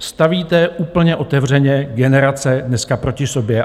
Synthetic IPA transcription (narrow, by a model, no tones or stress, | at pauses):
st̪aviːt̪ɛuːpl̩ɲɛʔo̞t̪ɛvr̝ɛɲɛɡɛnɛɾat͡sɛdnɛskapɾo̞cɪso̞bjɛ